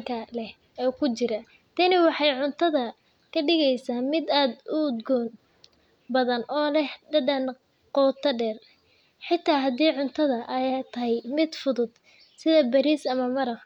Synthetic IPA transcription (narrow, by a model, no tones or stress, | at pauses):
kʰɐlɛh | ɛːkʰʊt͡ʃɪɾɐ | t̪ʰɐnɪwɑħɑjʕʊnt̪ʰɐðɐ | kʰɐɖɪɣɛjsaːmɪd̪aːd̪ʊd̪ɡɔːn | bɐðɐnʔɔːlɛhɖɐɖɐn | qɔːt̪ʰɐɖɛːr | ħɪt̪ʰːaːɦɐd̪iːʕʊnt̪ʰɐðɐʔɐjt̪ʰɐɦɛjmɪd̪fʊðʊd̪ | sɪðɐbɐɾiːsɐmɐmɐɾɐf